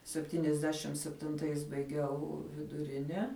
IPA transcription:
sʲɛpʲˈtʲiːnʲɛzʲˌdʲæːʃʲɪm sʲɛpʲtʲɪnˈtɐɪs bɐɪˈɡʲɛʊ ʋʲɪdʊˈrʲɪnʲɛ

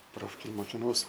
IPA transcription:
ˈproːfʲkʲeːj moːkʲɪnˈɐʊs

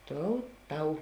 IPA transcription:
ˈtoːʊ ˈtɐʊ

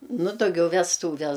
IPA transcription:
nʊ dɐʊˈɡʲɛʊ ʋʲɛsˈtuːʋʲɛs

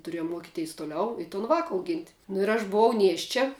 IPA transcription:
tʊˈrʲiɛjʊm ˈmuɔkʲɪtʲɛɪs tʊˈlʲɛʊ ɪ toːn ˈʋɑːkɐ ɐʊˈɡʲɪnʲtʲ nʊ ɪr ɐʃ bʊˈʋɐʊ ˈnʲiɛʃʲt͡ʃʲɛ

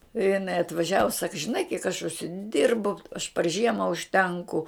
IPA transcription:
ɪ jɪˈnɐɪ ɐtʋɐˈʒʲæːʋʊ sɐk ʒʲɪˈnɐɪ kʲiɛk ɐʃ ʊʃʲsʲɪˈdʲɪrbʊ ɐʃ pɐr ˈʒʲiɛmɐ ʊʃʲˈtʲɛŋkʊ

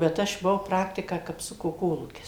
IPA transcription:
bʲɛt ˈɐʃ bʊˈʋɐʊ ˈprɑːktʲɪkɑː kɐpˈsʊkoː ˈkoːlˠuːkʲɪs

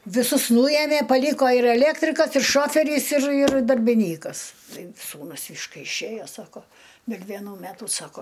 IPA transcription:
ʋʲɪˈsʊs ˈnuːjɛmʲeː pɐˈlʲiːkoː ɪr ɛˈlʲeːktʲrʲɪkɐs ɪr ˈʃoːfʲɛrʲiːs ɪr ɪr dɐrʲbʲɪˈnʲiːkɐs ˈtɐɪ ˈsuːnʊs ɪʃ ˈkɐɪ ɪʃʲˈeːjoː ˈsɑːkoː dʲɛlʲ ʋʲeːˈnuː ˈmʲæːtʊ ˈsɑːkoː

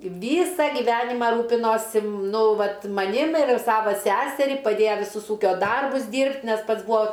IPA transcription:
ˈʋʲiːsɐ ɡʲɪˈʋʲæːnʲɪmɑː ˈruːpʲɪnoːsʲɪ ˈnʊ ˈʋɐt mɐˈnʲɪm ɪr ˈsɑːʋɐ ˈsʲæːsʲɛrʲiː pɐˈdʲeːjɛ ʋʲɪˈsʊs ˈuːkʲoː ˈdɐrbʊs ˈdʲiːrʲpʲtʲ nʲɛs ˈpɐts ˈbuɔ

